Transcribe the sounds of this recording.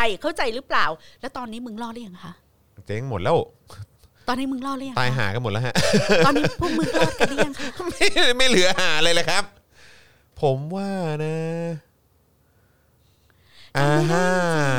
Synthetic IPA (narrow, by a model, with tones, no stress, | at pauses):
a˧jkʰa˥˩wt͡ɕa˧jɾɯ˦˥plaː˨˩wlɛ˦˥wt̪ɔː˧nːiː˦˥mɯ˧ŋlɔː˥˩li˥˩əŋ˩kʰa˦˥ʔ | t͡ɕe˧˩ŋmo˨˩t̪̚lɛː˦˥˩w | t̪ɔː˧nːiː˦˥mɯ˧ŋlɔː˥˩lɯ˥˩˨ŋt̪aː˧jɦa̰ː˩˦ka˧˨nmo˨˩t̚lɛ˦˥ɦa˦˥ʔ̪ɔː˧ni˦˥pʰuː˥˩mɯ˧˩ŋlɔ˩˥˩ka˧lɯ˥˧jɐ˨ŋkʰma˥˩jma˥˩jlɯ˨˩˦haː˩˦lɤː˧jləː˧˦kʰa˦˥p̚ʰː | o˩˦mwaː˥˩na˦˥ | ʔaː˧˩˥ɦa˦˥˩